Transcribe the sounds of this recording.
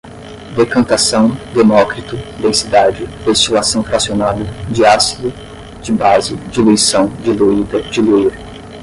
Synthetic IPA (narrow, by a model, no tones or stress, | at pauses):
d̪ekɐ̃nt̪asɐ̃w̃d̪emɔkɾit̪ʊd̪ẽsid̪ad͡ʒɪd̪̥est͡ʃilasɐ̃w̃fɾasionad̪ɐd͡ʒɪasid̪ʊ | d͡ʒɪbazɪd͡ʒiluisɐ̃w̃d͡ʒɪluid̪d͡ʒɪluiɾ